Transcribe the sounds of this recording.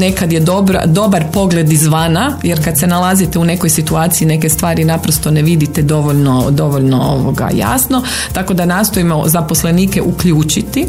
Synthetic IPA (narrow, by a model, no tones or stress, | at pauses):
ne̞kad̪jed̪obɾa̰d̪o̞baɾpo̞ɡle̞d̪izʋaːnaje̞ɾkad̪senalˠazit̪eune̞kojsit̪uaːt̪siine̞ke̞st̪ʋaːɾinapɾost̪one̞ʋid̪it̪ed̪o̞ʋo̞ʎno̞d̪o̞ʋoʎno̞oʋo̰ɡa̰ja̰ːsno̞ | t̪ako̞d̪anaːst̪o̞imo̞̰zapo̞sle̞niːkeʔukʎuːt͡ʃit̪i